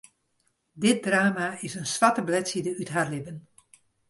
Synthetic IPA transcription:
dɪt̚draːmaɪsənsʋatəblɛtsidəytɦarlɪbən

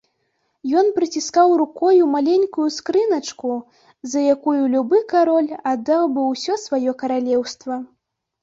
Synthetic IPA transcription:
jɔnpɾɨt͡sʲiskawɾukɔjumalʲɛnʲkujuskɾɨnɐt͡ʂku | zɐjakujulʲubɨkaɾɔlʲad̪awbɨwsʲɔsvajɔkɐɾalʲɛwst̪vɐ

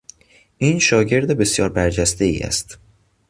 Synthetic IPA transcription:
ʔiːnʃɒːɟe̞ɾd̪ebe̞sjɒːɾbæɾd͡ʒæst̪e̞ḭːæ̰st̪

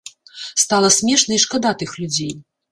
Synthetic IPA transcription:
st̪alˠɐsʲmʲɛʂnɐiʂkad̪at̪ɨxlʲud͡zʲej

